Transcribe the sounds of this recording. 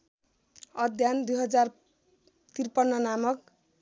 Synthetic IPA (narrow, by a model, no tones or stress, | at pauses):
ʌd̪ʱjand̪ujɦʌd͡zar | t̪irpʌnːʌnamʌk